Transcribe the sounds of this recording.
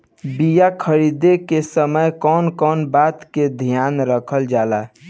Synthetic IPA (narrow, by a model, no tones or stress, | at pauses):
bijakʰəɾid̪ekesəməjkɔnkɔnbat̪ked̪ʱijanɾəkʰəld͡ʒala